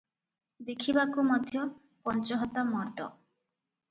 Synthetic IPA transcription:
d̪ekʰibakumɔd̪ʱjɔ | pɔnt͡ʃɔɦɔt̪ːamɔɾt̪ɔ̰

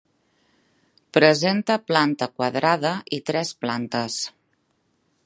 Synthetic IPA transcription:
pɾəzent̪əplant̪əkwaðɾaðəʔit̪ɾɛsplant̪əs

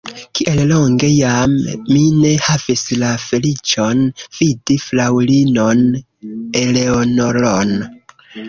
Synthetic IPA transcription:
kiʔe̞llo̞ŋɡe̞jamːine̞havislafe̞lit͡ʃo̞nv̥idiflawlino̞n | eleonoɾon

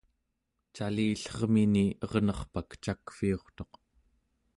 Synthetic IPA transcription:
t͡ʃaliːɬʌʁminiʌʁnʌχpakt͡ʃakfio̞χt̪o̞q

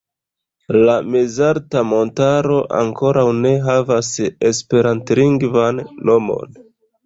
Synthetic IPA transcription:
lamezaɾtamo̞ntaɾo̞ʔa̰ŋko̞ɾawne̞ɦavase̞spe̞ɾantliŋɡvanːo̞mo̞̰n

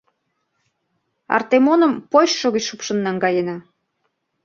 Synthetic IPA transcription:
ɑ̰rt̪emonəmpojɕʃoɣət͡ɕʃupʃə̆nːɑŋɡɑjenɑ

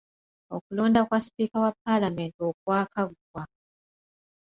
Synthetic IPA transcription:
o̞̰kulo̞ːndakwaspiːkawapːalame̞ːntiok̚waːkaɡwa

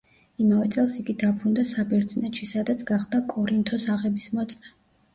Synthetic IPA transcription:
imavɛt̪sʼɛlˠsiɡid̪apʰɾund̪asabɛɾd̪zinɛt̪ʃisad̪at̪sʰɡaχd̪akʼɔɾint̪ʰɔsaʁɛbismɔt̪sʼnɛ

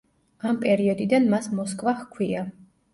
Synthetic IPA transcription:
ampʼɛɾiɔd̪id̪anmasmɔskʼvahkʰwia

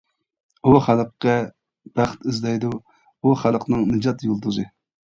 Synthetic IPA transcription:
uχælˠqːɛ | b̥æχt̪izd̪ɛjd̪u | uχælˠqnɨŋnɨd͡ʒɑt̪jolˠd̪uzɨ

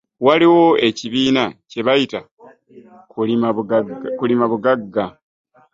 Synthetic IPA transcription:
waliwo̞e̞ciβiːnace̞βajita | kui | kulimaβuɡaɡːa

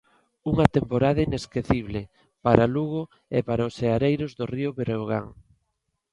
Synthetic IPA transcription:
uŋɐt̪empoɾaðɐaineskeθiβle | paɾaluɣʊ | epaɾaʊseaɾejɾʊzðoriʊβeɾeoɣa̰ŋ

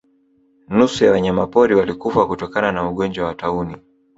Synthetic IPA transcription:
nusujawaɲamapɔɾiwalikufakutɔkananauɠɔɲd͡ʒwawatauni

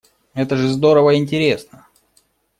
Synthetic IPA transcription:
ɛt̪əʐɨzd̪o̞ɾəvəɪnʲtʲɪɾʲe̞snə

